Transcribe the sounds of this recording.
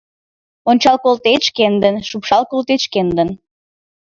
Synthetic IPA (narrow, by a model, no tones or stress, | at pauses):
onʲt͡ɕɑlkolt̪et͡ɕkend̪ənʃupʃɑlˠkolt̪et͡ɕkend̪ən